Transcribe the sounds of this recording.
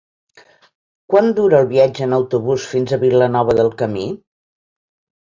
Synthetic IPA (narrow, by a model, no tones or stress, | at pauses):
kwand̪uɾəːlˠβiad͡ʒəːnəwt̪uβusfinzəβilənɔβ̞əðəlˠkəmi